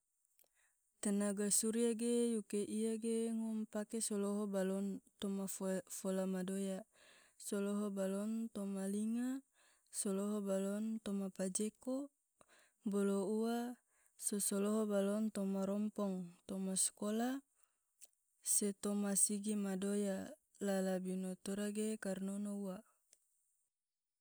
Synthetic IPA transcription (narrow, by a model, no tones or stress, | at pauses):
t̪ənaɡasuɾiaɡejukeʔiaɡeŋɔmpakesoloɦobalɔnt̪ɔmaffolamadoja | soloɦobalɔnt̪ɔmaliŋa | soloɦobalɔnt̪ɔmapad͡ʒeko | boloua | sosɔloɦobalɔnt̪ɔmaɾɔmpɔŋt̪ɔmaskola | set̪ɔmasiɡimadoja | lalabinot̪oɾaɡekarnonoua